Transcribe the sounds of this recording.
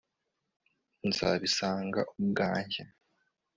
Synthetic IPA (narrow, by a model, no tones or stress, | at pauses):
nz̥a̰βisaːŋɡaʔumuɡaːɲɟa